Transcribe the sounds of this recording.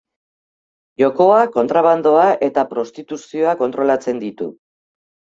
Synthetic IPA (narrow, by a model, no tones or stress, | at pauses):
ʝo̞ko̞ako̞nt̪ɾaβ̞and̪o̞aʔe̞t̪apɾo̞st̪it̪usio̞ako̞nt̪ɾo̞lat͡se̞nd̪it̪ṵ